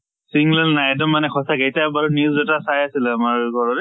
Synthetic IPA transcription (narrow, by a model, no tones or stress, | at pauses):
siŋlɛlnajɛd̬ɔmːanɛxʰɔsaɡejtabaɹuniuzɛtasajasilɛamaɹɡʱɔɹɔɾɛ